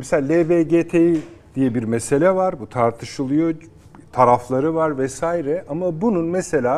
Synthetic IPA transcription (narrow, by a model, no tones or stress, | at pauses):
mɛselʲaleveːɟeːt̪ʰejid̪̥ijɛbiɾmese̞lʲɛvaɾbut̪ʰaɾt̪ʰɯʃɯlˠɯjo | t̪ʰaɾaflˠaɾɯvaɾvɛsaːjiɾɛamabununmese̞lʲaː